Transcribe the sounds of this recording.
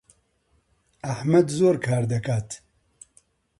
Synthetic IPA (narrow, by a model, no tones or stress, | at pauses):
ɐhmɐd̪zoːɾkʰaːɾd̪ɐkaːt̪